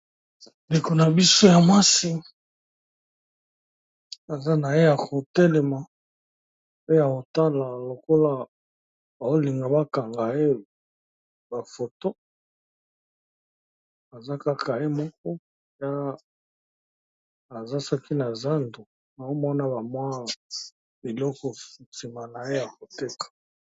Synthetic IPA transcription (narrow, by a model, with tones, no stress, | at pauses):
nde˨ko˨na˨bi˦so˦ja˨mwa˦si˦ | a˨za˦na˨je˦ja˨kʰo˨tɛ˦lɛ˨ma˨ | pe˦a˨ko˨ta˦la˨lo˨ko˦la˦ | ba˨o˦li˨ŋɡa˨ba˦ka˨ŋɡa˨e˦ | ba˨fo˨to˦ | a˨za˦ka˦kʰa˨e˦mɔ˦k̚ɔ˦ | ja˦ | a˨za˦sɔ˦ki˦na˨za˦ndo˨ | a˨o˦mɔ˦na˦ba˨mwa˦ | bi˨lɔ˦kɔ˨ti˨ma˨na˨je˦ja˨ko˨te˦kʰḁ˨